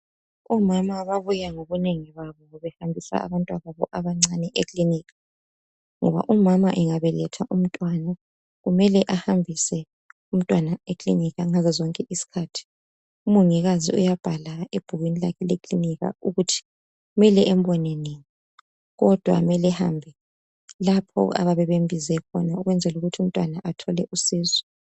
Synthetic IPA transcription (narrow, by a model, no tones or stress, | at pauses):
ɔmamaβaβujaŋoβuneŋiβaβɔβɛhambʱisa̰a̰βantʼwaɣaβɔʔaβaŋ͡ǀanɛʔekʼliniːɣa | ŋɔβa̰ʔumamaʔɛŋaβɛlɛtʰaʔum̩tʼwana | ɣumɛlɛʔahambʱisɛ | um̩tʼwanaekʼlḭniɣaŋazɛzɔŋkʼɛʔisi̥kʰatʰi̥ | umuŋiɣazḭṵjab̥ʱalaeb̥ʱuɣwinilakʰɛlekʼliniɣa̰uɣutʰi̥ | umɛlɛʔɛm̩bɔneniŋi | ɣɔd̥ʱwa̰mɛlɛha̰mbʱɛ | lapʰɔ̰a̰βaβɛβembʱizɛkʰɔ̰nauɣwɛnd͡zʱɛluɣutʰium̩tʼwanaʔatʰɔlɛʔusiːzɔ